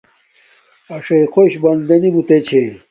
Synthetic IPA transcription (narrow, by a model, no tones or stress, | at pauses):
ɐʂɐikʰoɕbɐnd̪ɐnimut̪et͡ɕʰe